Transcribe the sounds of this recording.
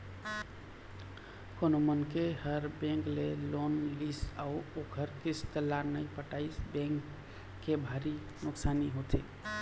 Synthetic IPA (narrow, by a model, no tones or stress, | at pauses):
konomənkehəɾbẽŋklelonlisauokʰəɾkist̪əlːaɾnəjpəʈaɪsbɛ̃ŋkː | ebʱaɾi | nuksaniɦot̪e